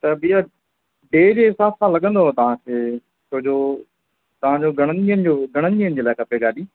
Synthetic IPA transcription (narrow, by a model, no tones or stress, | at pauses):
t̪ɐbɪja | ɖeːd͡ʑeːɪsaːbsãlɐɠə̃nd̪ot̪ɐʋ̤ãkʰeː | t͡ɕoɦd͡ʑoː | t̪ɐʋ̤ãd͡ʑoːɡʱɐɽ̃ə̃nd̪iənd͡ʑoːɡʱɐɽ̃ə̃nd̪ijənɪd͡ʑeːlaːɪkʰəpeɠaːɗiː